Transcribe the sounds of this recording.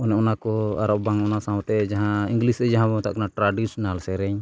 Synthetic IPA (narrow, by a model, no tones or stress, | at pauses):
ɔnɛʔɔnakɔa̰ɾɔʔbaŋɔnasãw̃t̪ɛd͡ʒaɦãiŋɡlisɾɛd͡ʒaɦãbaŋt̪a̰ʔkɔnaʈɾaɖisnalsɛɾɛɲ